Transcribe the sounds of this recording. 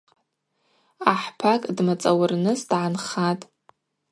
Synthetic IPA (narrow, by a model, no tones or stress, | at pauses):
aħpʰakʼdmat͡sʼawarnɨsd̥ʕanχatʼ